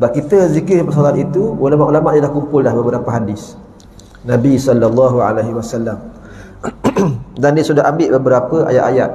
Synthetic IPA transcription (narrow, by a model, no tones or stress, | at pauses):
əbap̚kit̪əzikɪhpəsalanit̪uulamaʔulamaʔdalahkumpʊldahbəbəɾapəɦadɪs | nãbisɔlːalːɑɦua̰leɦiwasalːam | dandiəsudaɦambɪʔbəbəɾapəa̰ja̰ʔ̪aja̰t̪̚